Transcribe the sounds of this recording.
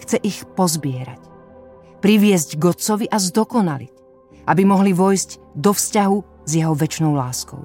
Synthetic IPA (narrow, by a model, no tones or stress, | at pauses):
xt͡sɛʔixpɔzbɪɛɾa̰c | pɾiʋɪɛzɟɡɔt͡sɔʋiʔazd̪ɔkɔnalḭc | ʔabimɔɦliʋɔjzɟd̪ɔfscaɦu | zjɛɦɔʋɛt͡ʃnɔʊlaːskɔ̰ʊ